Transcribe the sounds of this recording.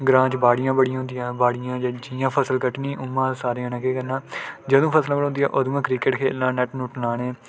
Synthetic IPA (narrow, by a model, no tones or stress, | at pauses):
ɡɾãːt͡ʃbaːɽɪjãːbəɽijãːɦʊ̃nd̪ijãːbaːɽɪjãːd͡ʒeːd͡ʒiːãːpʰəsəlkəʈniːʔʊmːãːsaːɾeːãːnəkeːkəɾnãːd͡ʒəd̪õːpʰəslãːbəʊ̃nd̪ijã̰ːʔod̪mãːkɾiːkeʈkʰḛːlːãːnɛːʈnũːʈnaːɽeː